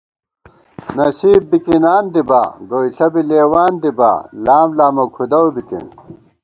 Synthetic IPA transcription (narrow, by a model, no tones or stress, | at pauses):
nɐsiːbbikinaːnd̪iba̰ɡoiɬɐbileːwaːnd̪iba̰ːlaːmlaːmokʰud̪ɐwbit̪ḭn